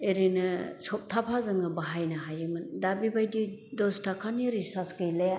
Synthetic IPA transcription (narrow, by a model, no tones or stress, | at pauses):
eɾinɯsɔp̚tʰapʰazɯŋɯbaɦajnaɦajɯmɯndabibajdidɔstʰakʰaniɾisasɡɯjlaja